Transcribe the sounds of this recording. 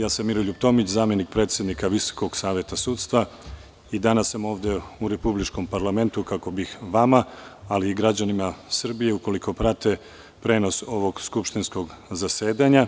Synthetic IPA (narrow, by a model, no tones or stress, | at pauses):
jaːsamːiɾoʎupt̪o̞mit͡ɕzaːmje̞nik̚pɾe̞ːt̪sjed̪nikaʋiso̥ko̞ɡsaːʋjet̪asuːt̪st̪ʋa | id̪anasːamo̞ːʋd̪e̞uɾe̞publit͡ʃko̞mpaɾlˠame̞nt̪ukako̞bixʋamaːliːɡɾad͡ʑanimasr̩bije̞uko̞liko̞pɾat̪e̞ | pɾe̞ːno̞so̞ʋo̞ɡskupʃt̪insko̞ɡzase̞ːd̪aɲa